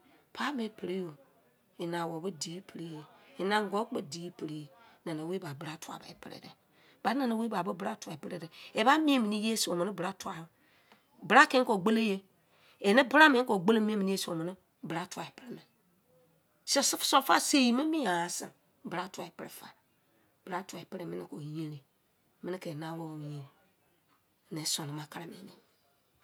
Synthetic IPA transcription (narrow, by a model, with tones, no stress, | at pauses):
pʰa˦be˨˦pe˨ɾe˦jo˨ | i˨na˨wo˨bə˦di˨˦i˦pɾe˦je˦i˨na˨ŋ˦ɡo˨˦k͡pe˨di˨˦i˦pe˨ɾi˦je˨nã˨na˨we˦ba˨bɨ˦ɾa˦tu˦a̰˨ba̰˨e˨pɨ̰˦˨ɾḛ˨dɛ̰˨ | ba˨˦na˨na˨˦we˦ba˨bə˦bɨ˦ɾa˦tʷa˨e˨pɾe˦de˨e˨ba˦mĩ˦e˦mi˨ni˦je˦e˦si˨o˨mə˨ni˦bɨ˨ɾa˦tu˦a˨b | bɨ˨ɾa˦ke˦ŋ̩˦ko˨ɡ͡be˦le˦je˦ | e˨ne˦bɾa˦mẽ˨˦ko˨ɡ͡be˦le˦mi˦e˦mi˨ni˦e˦so˨mi˨ni˦ | bɾa˦tu˦a˨e˨pɾe˦me˨ | se˦˨sfso˦fa˦se˨ji˨me˦mi˦a˨a˨sḭ˨ | bɾa˦tʷa˨e˨pɾḛ˦fa̰˨ | b̥ɾa˦tu˨a˨e˨pɾe˨mi˦nḭ˦˨ko˨jĩ˦ɾe˨ | mɪ˦ni˦ke˨na˦wo˦˨wo˨ | ne˨˦so˨ni˨ma˨ka˦ɾa˨mḛ˨ni˨